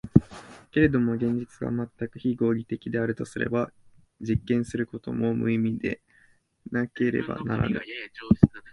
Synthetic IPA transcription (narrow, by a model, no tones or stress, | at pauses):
ke̞ɾe̞d̪o̞mo̞ɡẽ̞ɲ̟d͡ʑit͡sɨɡa̰mat̪ːakɯ̟çiɡo̞ːɡʲit̪e̞kʲid̪e̞aɾɯ̟t̪o̞sɨɾe̞̰ba | d͡ʑikːẽ̞ɰ̃sɨɾɯ̟ko̞t̪o̞̰momɯ̟imʲid̪e̞̰ | nake̞ɾe̞̰ba̰naɾa̰nɯ̰